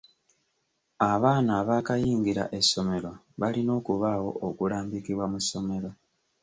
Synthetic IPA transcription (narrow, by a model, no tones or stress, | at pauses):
aβaːnaːβaːkajiːŋɡiɾa̰ʔe̞so̞me̞ɾo | βalino̞ːkuβawo̞okulaːmbikiβwamuso̞me̞ɾo